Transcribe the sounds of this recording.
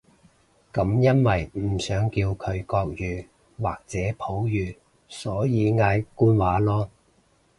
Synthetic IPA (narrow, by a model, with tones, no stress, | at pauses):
kɐ˨˥mjɐ˥nwɐ˨jm̩˨˩sœː˨˥ŋkiː˧wkʰɵ˨˧ɥkɔː˧k̚jyː˨˧ | waː˨k̚t͡sɛː˨˥pʰo˨˥wjyː˨ | sɔː˨˥jiː˨˧ŋaː˨˧jkuː˥nwaː˨˥lɔː˥